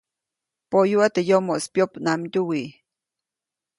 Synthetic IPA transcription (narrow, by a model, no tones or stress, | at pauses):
poʔjuat̪əjomoʔspjopnamt̪uwi